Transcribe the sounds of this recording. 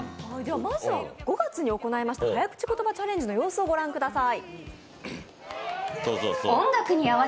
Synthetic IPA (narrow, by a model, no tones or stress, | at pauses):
ad̪eβamazɨβaɡ̥o̞ɡat͡sɨɲ̟io̞ko̞naemaɕi̥t̪ahajakɯ̟̥t͡ɕi̥ko̞t̪o̞bat͡ɕaɾẽ̞ɲ̟d͡ʑinojo̞ːsɨoɡo̞ɾãŋkɯ̟d̪asai | soːsoːoõŋɡakɯ̟ɲ̟iaβa